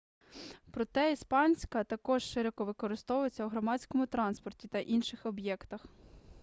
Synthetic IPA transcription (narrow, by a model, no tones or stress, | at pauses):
pɾɔt̪ɛispɑnʲsʲkɐt̪ɐkɔʒʃɪɾɔkɔʋɪkɔɾɪst̪ɔʋʊjet͡sʲːɐwɦɾɔmɑsʲkɔmʊt̪ɾɑnspɔrtʲit̪ɐʔinʃɪxɔbjɛkt̪ɐx